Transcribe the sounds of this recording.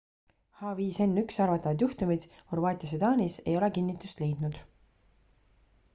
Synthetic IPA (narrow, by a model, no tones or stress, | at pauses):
hɑviːse̞nːyksɑrvɑt̪ːˑɑvɑd̪̥juht̪umid̪̥horvɑːt̪ʲˑijɑs̬ed̪̥ɑːnʲise̞̰jo̞lekinːit̪ˑːust̪le̞jd̪nud̪̥